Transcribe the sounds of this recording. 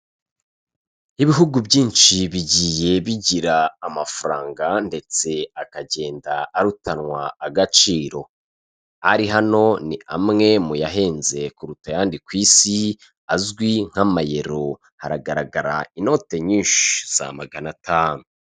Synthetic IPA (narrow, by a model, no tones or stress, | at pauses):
iβiɦuɡubɟiːnt͡ʃiβiɟiːje̞βiɟiɾaːmafaɾaːŋɡande̞t͡se̞akaɟe̞ːndaːɾutanŋwaːɡat͡ʃiːɾo̞ | aɾiɦano̞nia̰mŋe̞mujaɦe̞ːnze̞kuɾutajaːndikwiːsi | azɡwiŋ̥amaje̞ɾo̞ | haɾaɡaɾaɡaɾa̰ino̞te̞ɲinʃz̥a̰maɡanatʰaːnu